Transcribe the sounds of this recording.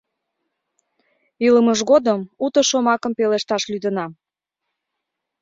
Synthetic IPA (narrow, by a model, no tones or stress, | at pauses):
iləməʃɣod̪əmut̪ə̆ʃomɑkəmpeleʃt̪ɑʃlyd̪ənɑ